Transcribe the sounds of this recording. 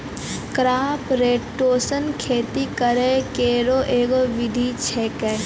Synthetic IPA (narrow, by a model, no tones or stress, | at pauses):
kɾaːpɾeːʈːoːsənkʰeːt̪ikəɾekeːɾoʔeːɡoʋɪd̪ʱit͡ʃʰeːkː